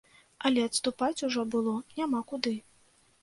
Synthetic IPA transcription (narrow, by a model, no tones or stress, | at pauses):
ɐlʲɛɐt̪st̪upat͡sʲuʐɔbɨlˠɔnʲamakud̪ɨ